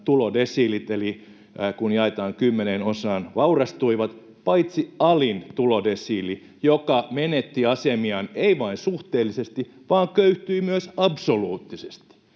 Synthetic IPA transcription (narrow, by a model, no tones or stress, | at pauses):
t̪ulodesiːlit̪eli | kunjɑet̪ɑːŋkymːenenosɑːnʋɑurɑst̪uiʋɑt̪ | pɑit̪siɑlint̪ulodesiːli | jokɑmenet̪ːiɑsemiɑneiʋɑinsuht̪eːlːisest̪i | ʋɑːŋkøyht̪yimyøsɑbsoluːt̪ːise̥st̪i̥